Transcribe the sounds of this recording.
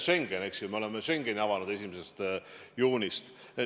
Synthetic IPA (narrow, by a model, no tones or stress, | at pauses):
ʃe̞ŋɡ̥ene̞ksjumeo̞le̞meʃe̞ŋɡ̥e̞niɑvɑnud̪e̞s̬ʲimese̞st̪juːnist̪